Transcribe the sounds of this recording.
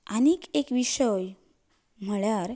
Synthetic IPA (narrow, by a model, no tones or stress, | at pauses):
anikekʋiɕəj | m̤əɭjaɾ